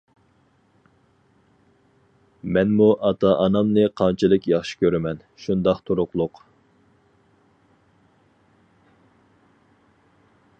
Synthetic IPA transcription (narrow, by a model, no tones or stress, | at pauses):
mɛnmuʔɑt̪ʰɑʔɑnɑmnɨqʰɑnt͡ʃʰilˠɨkʲjɑχʃɪ̥kʲøɾɪmɛn | ʃund̪ɑχt̪ʰuɾʊqlˠʊq